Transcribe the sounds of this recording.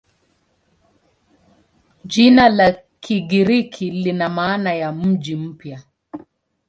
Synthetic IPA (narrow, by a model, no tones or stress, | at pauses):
ʄinala | kiɡiɾikʰilinamaːnajam̩ʄim̩pja